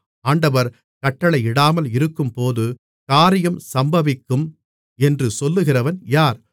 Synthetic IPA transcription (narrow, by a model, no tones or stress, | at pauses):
aːɳɖɐʋɐɾ | kɐʈːɐɭɐɪɪɽaːmɐlɪɾɯkːɯmpoːðɯ | kaːɾɪjɐmsɐmbɐʋɪkːɯm | ɛndrɯsɔlːɯɣɪrɐʋɐnjaːɾ